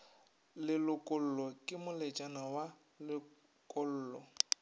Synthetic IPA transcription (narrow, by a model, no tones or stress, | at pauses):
lɪlʊkʼʊl̩lɔkʼɪmʊlɪt͡ʃʼanawa | lɪ | kʼʊl̩ːlɔ